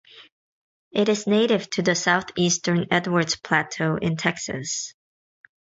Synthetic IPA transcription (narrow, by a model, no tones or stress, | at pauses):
ʔɪɾɨzneɪɾɪv̥tʰɨðɨsaʊθistə̃˞nɛdwə˞dz̥pʰl̥ætʰoʊʔɪ̃ntʰɛksɨ̰s